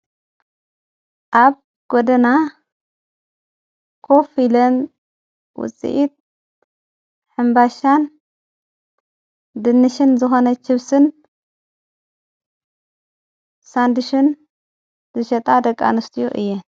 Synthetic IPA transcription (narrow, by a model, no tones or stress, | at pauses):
ʔaβ | ɡ̥od̪ɐna | kʰo̞filɐn | wʊ̰t͡sʼḭʔit̪̚ | ħɨmbaʃan | d̪ɨnːɨʃɨnzɨxo̞nɐt͡ʃɪβsɨn | sand̪ɨʃun | zɨʃɐt̪ʼad̪ɐkʼːa̰nɨst̪ʰɨjoʔɨ̰jːɛ